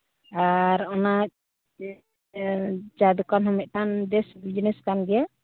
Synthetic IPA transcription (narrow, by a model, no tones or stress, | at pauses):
aɾɔna | d͡ʒad̪ukanɦɔmɛt̪̚ˀʈʰand̪ɛsbid͡ʒnɛskanɡɛja